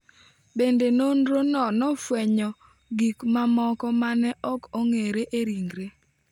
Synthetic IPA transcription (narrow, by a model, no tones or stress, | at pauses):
bendenondɾonɔnɔfwɛɲɔ | ɡikmamɔkɔmanɛʔɔkoŋeɾeʔeɾiŋɡɾe